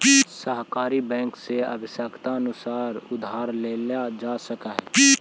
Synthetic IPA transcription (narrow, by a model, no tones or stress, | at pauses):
səɦkaːɾibɛ̃ːŋkseə̰bʱɪsəkt̪aənʊsaːɾʊd̪ʱaːɾleːlad͡ʒasəkaɦɛ